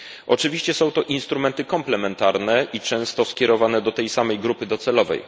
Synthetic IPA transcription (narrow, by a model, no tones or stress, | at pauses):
ʔɔt͡ʂɘvʲiɕt͡ɕɛsɔ̃w̃t̪ɔʔinst̪ɾumɛnt̪ɘkɔmplɛmɛnt̪aɾnɛit͡ʂɛ̃w̃st̪ɔskʲɛɾɔvanɛd̪ɔt̪ɛjsamɛjɡɾupɘd̪ɔt̪sɛlɔvɛ̰j